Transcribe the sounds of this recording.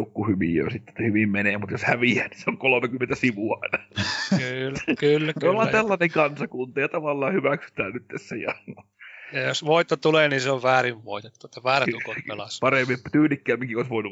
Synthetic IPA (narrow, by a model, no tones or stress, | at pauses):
ukːuhyʋḭjo̰sit̪ːe̥ehyʋimmeneːmut̪joshæʋiæːniseoŋkolomekymːent̪æsiʋuɑ̰inɑkːlkylːolhɑt̪ælːɑneŋkɑnsɑkunt̪ɑjɑt̪ɑʋɑlːɑːhyʋæksy̥t̪æːnyt̪ːessejɑ̰no | ɑjosʋoit̪ːot̪uleːniseoʋʋæːriʋʋoit̪et̪ːuet̪ːɑʋæːrukopelɑspɑremːimpt̪yːnikːæːmːiŋkioˑisʋoinu